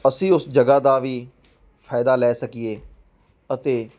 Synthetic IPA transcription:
əsĩːʊsd͡ʒəɡaːd̪aːʋiː | fʰaːɪd̪aːlɛːsəkieː | ət̪eː

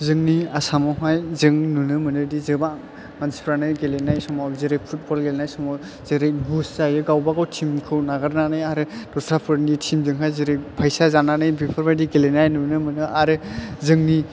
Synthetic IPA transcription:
zɯŋniasamɔɦajzɯŋnunɯmɯnɯdizɯba | mansi̥pʰɾanɯɡelenajsɔmawzeɾepʰut̚bɔlɡelenajsɔmaw | z̥eɾebuszajɯɡawbaɡawtʰimkʰɯwnaɡaɾnanɯjaɾɯd̥ɔstʰɾapʰɯɾnitʰimzɯŋɦajzeɾepʰajsazananɯjbipʰɔɾbajdiɡelenajnunɯmɯnɯʔaɾɯzɯŋni

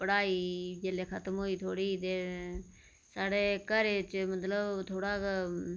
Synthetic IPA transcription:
pəɽaːiːd͡ʒeːleːkʰət̪mɦoːiːt̪ʰoːɽiːt̪eː | saːɽeːkəɾeːt͡ʃmət̪ləbt̪ʰoːɽaːk

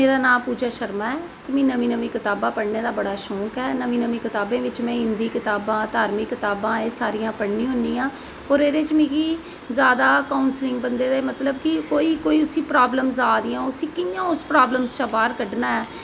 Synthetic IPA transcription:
meːɾaːnãːmpuːd͡ʒaːʃəɾmaːɛːt̪emĩːnəʋĩːnəʋĩːkɪt̪aːbãːpəɽneːd̪aːbəɽaːʃɔ̃ːkɛːnəʋĩːnəʋĩːkɪt̪aːbẽːʋɪt͡ʃmɛ̃ːɦɪ̃nd̪iːkɪt̪aːbãːd̪aːɾmɪkːɪt̪aːbãːeːsaːɾijãːpəɽnĩːɦʊnĩːãː | oːɾeːɾeːt͡ʃmĩːɡi | zjaːd̪aːkaːnslɪ̃ŋɡ̚bənd̪eːd̪eːmət̪ləbkɪkoːiːkoːiːʊsĩːpɾaːbləmzaːd̪ɪjãːʊsĩːkɪãːʊspɾaːbləmzt͡ʃãːbaːɾkəɖnaːɛː

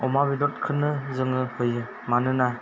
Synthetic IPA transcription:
ɔmabidɔt̚kʰɯnɯzɯŋɯhɯjɯ | manɯna

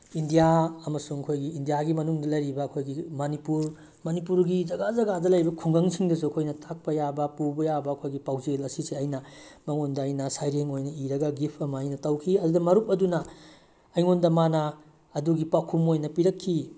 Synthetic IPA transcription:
indijaɐmɐsuŋɐkʰojɡiːndijaɡimɐnuŋdɐlɐjɾibɐːkʰojɡimɐnipuɾ | mɐnipuɾɡizɐɡazɐɡadɐlɐjbɐkʰuŋɡɐŋsʰiŋdɐs̬uɐkʰojnɐtʰak̚pɐjabɐpubɐjabɐːkʰojɡipawzelɐsiseɐjnɐ | mɐŋondɐːjnɐsajɾeŋojnɐiɾɐɡɐɡipʰɐmɐːjnɐtɐwkʰiɐdudɐmɐɾup̚ɐdunɐ | ɐjŋondɐmanɐː | duɡipakʰumojnɐpiɾɐkʰːi

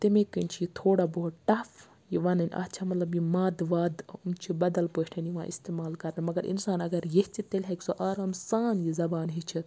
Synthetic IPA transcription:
t̪imẽkɐnʲt͡ʃʰijit̪ʰoːɽaːboɦuʈɐf | jiʋanɐnʲɐ̰tːt͡ʃʰamɐt̪lɐbjimaːd̪ʋaːd̪unt͡ʃʰibɐd̪ɐlpoːʈʰɐnjiʋã̰ʔḭst̪eːmaːlkɐɾnɐmɐɡɐɾḭnsaːnɐɡɐɾjehʲt͡ʃʰit̪elʲɦɐkʲsoʔaːɾaːmsaːnjizɐbaːnɦit͡ʃʰit̪

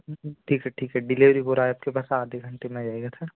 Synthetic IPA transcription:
ʈʰiːkɦɛʈʰiːkɦɛɖɪleːʋɾiboːɾaːeɐp̚kepaːsaːd̪ʱeɡʱɐ̃ɳʈemẽd͡ʒaːeɡat̪ʰa

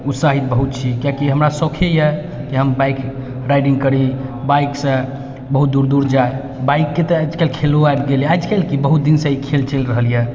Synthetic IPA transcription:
ut̪saɦit̪̚bəɦut̪̚t͡ʃʰikijãkiɦəmɾasəkʰejɛ | kiɦəmbajk | ɾajɖiŋɡkəɾibajksə̃ | bəɦut̪̚d̪uɾd̪uɾd͡ʒae | baikːet̪əad͡ʒkelkʰeloajbɡeljad͡ʒkelkibəɦut̪̚d̪insə̃ikʰelt͡ʃʰelɾəɦəljɛ

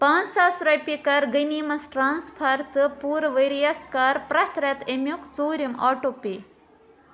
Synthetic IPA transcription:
pãːnt͡ssaːsɾɐjpikɐɾɡɐnimɐsʈɾaːnspʰɐɾt̪ɨpuːɾʋɐjɾijaskaːɾpɾɐt̪ɾɐt̪emʲjukt͡soːɾʲimaːʈope

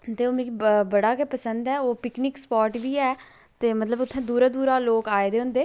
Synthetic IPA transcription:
t̪eːoːmẽkbəɽaːkepəsənd̪ɛːoːpɪknɪkspɔːɾʈʋiːɛː | t̪eːmət̪ləbʊt̪ʰːɛ̃ːd̪uːɾaːd̪uːɾaːloːkaːed̪eːɦʊ̃nd̪eː

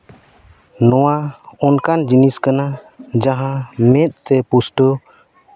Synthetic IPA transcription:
nɔwaɔnkand͡ʒiniskanad͡ʒaɦãmɛt̪̚ˀt̪ɛpusʈɔ

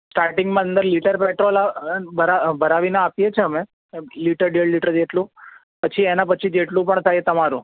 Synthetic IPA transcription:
sʈaɾʈɪŋɡmãənd̪əɾliʈəɾpeʈɾolabʱəɾabʱəɾaʋineapjet͡ʃʰeəme | liʈəɾɖeɭliʈəɾd͡ʒeʈlũ | pət͡ʃʰienapət͡ʃʰid͡ʒeʈlũpəɳt̪ʰajet̪əmaɾũ

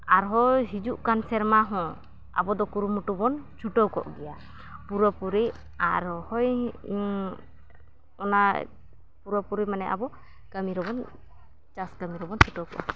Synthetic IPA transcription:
aɾɦɔɦid͡ʒuʔkansɛɾmaɦɔ̃ | a̰bɔd̪ɔkuɾumuʈubɔnt͡ʃʰuʈɔwkɔ̰ʔɡɛja | puɾɔpuɾi | aɾɔhɔj | ɔna | puɾɔpuɾimanɛʔa̰bɔ | kamiɾɔbɔn | t͡ʃasɡamiɾɔbɔnt͡ʃʰuʈɔwkɔ̰ʔ

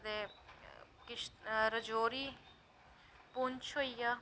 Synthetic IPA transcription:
d̪eː | kɪʃɾəd͡ʒoːɾiː | punt͡ʃʰoijaː

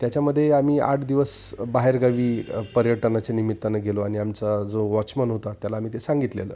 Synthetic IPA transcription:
t̪jat͡ɕjaməd̪ʱːjeamiːa̰ʈʰd̪iʋəsbaɦeɾɡaʋiːpəɾjəʈənat͡senimit̪ːanaɡʱeloaɽ̃iamt͡sad͡zoʋɔt͡ɕmənɦot̪at̪jalaːmiːt̪esãŋɡit̪lḛlə̰ː

